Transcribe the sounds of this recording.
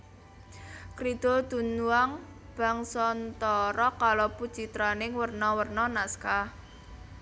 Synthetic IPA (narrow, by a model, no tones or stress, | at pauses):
kɾid̪̥od̪̥ṳnuaŋ | b̥a̤ŋsɔnt̪ɔɾɔkalopud̥t͡ʃit̪ɾanɪŋwərnɔwərnɔnaska